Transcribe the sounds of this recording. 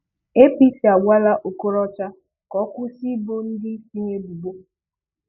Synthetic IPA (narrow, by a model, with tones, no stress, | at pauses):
e˦pi˦si˨a˨wa˦la˦ʔo˨ko˦ɾɔ˦t͡ʃa˦ | kɔ˨˦kʷʊ˦si˦bo˦n̩˦dɪ˦si˦ɲe˦bu˨bo˦